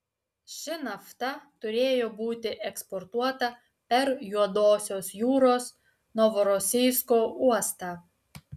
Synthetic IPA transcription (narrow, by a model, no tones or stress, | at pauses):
ʃʲɪnɐft̪ɐt̪ʊɾʲeːjoːbuːt̪ʲɪʔɛkspɔɾt̪uɔt̪ɐ | pʲɛɾjuɔd̪oːsʲoːsjuːɾoːs | nɔʋɔɾɔsʲɪɪskoːʔuɔst̪ɑː